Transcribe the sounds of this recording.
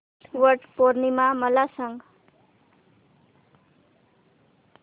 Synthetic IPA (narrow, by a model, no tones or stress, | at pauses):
wʌrɖpoɾnimamʌlasʌŋɡ